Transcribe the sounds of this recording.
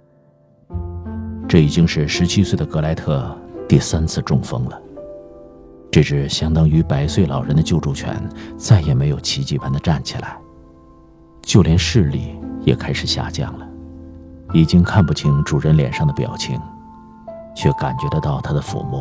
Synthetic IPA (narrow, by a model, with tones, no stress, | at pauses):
ʈ͡ʂɤ˥˩i˨˩t͡ɕi˥ŋʂɻ̩˥˩ʂɻ̩˧˥t͡ɕʰi˥swe˥˩ɪd̪ə˩kɤ˧˥la˧˥ɪt̪ʰɤ˥˧t̪i˥˩sa˥nt͡sʰɹ̩˥˧ʈ͡ʂʊ˥˩ŋfɤ̰˥ŋlə˨ | ʈ͡ʂɤ˥˧ʈ͡ʂɻ̩˥˩ɕjɑ˥ŋt̪ɑ˥ŋy˧˥pa˧˥ɪswe˥˩ɪlɑ̰˨˩ʊɻə˧˥nd̪ə˧t͡ɕjo˥˧ʊʈ͡ʂu˥˩t͡ɕʰɥɛ̰˧˥nt͡sa˥˩ɪjɛ˨˩me˧˥ɪjo˨˩ʊt͡ɕʰi˧˥t͡ɕi˥˩pa˧˥nd̪ə˨˧ʈ͡ʂa˥˩nt͡ɕʰḭ˨˩la̰˧˥ɪ | t͡ɕjo˥˩ʊljɛ˧˥nʂɻ̩˥˧lḭ˥˩jɛ̰˨˩kʰa˥ɪʂɻ̩˨˩ɕja̰˥˧t͡ɕjɑ̰˥˩ŋlə˩ | i˨˩t͡ɕi˥ŋkʰa˥˧npu˥˩t͡ɕʰi˧˥ŋʈ͡ʂu˨˩ɻə˧˥nljɛ̰˨˩nʂɑ˥˩ŋd̪ə˩pjɑ̰˨˩ʊt͡ɕʰi˧˥ŋ | t͡ɕʰɥɛ˥˩ka˨˩nt͡ɕɥɛ˧˥d̪ə˧t̪ɑ˥˩ʊt̪ʰa˥d̪ə˨fṵ˧˥mṵ˥˩